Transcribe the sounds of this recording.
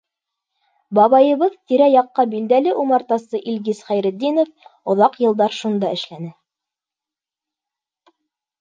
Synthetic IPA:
bɑβɑjɤ̆βɤðt̪iɾæjɑqːɑbild̪ælɘʔumɑɾt̪ɑsɤʔilɡisχæjɾɘ̆d̪ːinofŏðɑqjɤ̆lˠd̪ɑɾʃund̪ɑɘ̆ʃlænɘ

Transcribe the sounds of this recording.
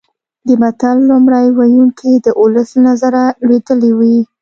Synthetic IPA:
d̪əmat̪alːumɽajwajuŋkʰid̪əʔʊləsnazaɾalwed̪əlewi

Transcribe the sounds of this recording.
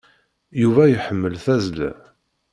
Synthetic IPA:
juvæjəħəmːəlθæzlæ̰

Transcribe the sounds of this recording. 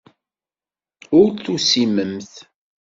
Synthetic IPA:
ʊɾθusiməmθ

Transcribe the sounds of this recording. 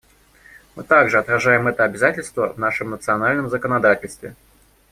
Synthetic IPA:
mɨt̪aɡʐɨɐt̪ɾɐʐajɪmɛt̪əɐbʲɪzatʲɪlʲst̪və̰vnaʂɨmnət̪sɨɐnalʲnəmzəkənɐd̪atʲɪlʲst̪vʲɪ

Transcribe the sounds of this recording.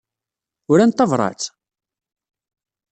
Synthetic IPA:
ʊɾænt̪ːɑvɾˤɑ̰t͡s

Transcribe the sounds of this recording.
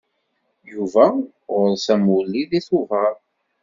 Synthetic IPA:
juvæ | ʊɾsæmulːiðiθʊvəɾ

